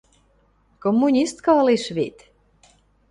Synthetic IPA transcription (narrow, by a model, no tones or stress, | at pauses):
komːunʲist̪kɑliʃβit̪